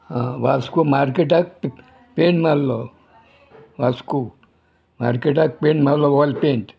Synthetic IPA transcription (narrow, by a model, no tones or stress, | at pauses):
ɦãʋaskumaɾkeʈak̚p | peɳʈmallɔ | ʋasku | maɾkeʈ̬ak̚peɳʈmallɔʋɔlpeɳʈ